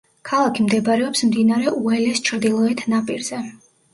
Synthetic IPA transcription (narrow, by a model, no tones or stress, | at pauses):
kʰalˠakʰimd̪ɛbɾɛɔpsmd̪inaɾɛʔuɛlɛst͡ʃʰɾd̪ilˠɔɛt̪ʰnapʼiɾz̥ɛ